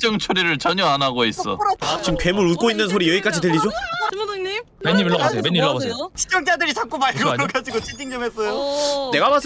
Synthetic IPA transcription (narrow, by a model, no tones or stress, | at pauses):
t͡ɕ͈ʌŋt͡ɕʰuɾiɾɯɭt͡ɕʌɲʌanaɡois͈ʌ̰t͡ɕimkɥe̞muɾut̚k͈oinːɯns̬ʰoɾijʌik͈ad͡ʑitɯʎːid͡ʑoŋɲi | meɲːimiɭːʌbasʰejomeɲːimiɭʌasʰejot͡ɕʰi̥t͡ɕ͈ʌŋt͡ɕ͈adɯɾisʰak͈omaɭɡʌɡad͡ʑiɡot͡ɕʰidiŋd͡ʑʌmɦes͈ʌjone̞ɡabasʰ